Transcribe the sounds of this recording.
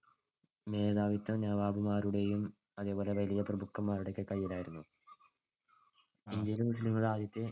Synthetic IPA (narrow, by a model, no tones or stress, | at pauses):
me̞ːðaːʋit̪ːɐnaːʋaːbumaːɾuɽe̞jum | ɐðe̞ːbo̞ːle̞ʋɐlijɐprɐbukːɐmːaːɾuɽekːɨkɐjːilaːjiɾunːu | iɲd͡ʑilumuʂiliŋːɐɭaːd̪ʱjɐt̪ːɨ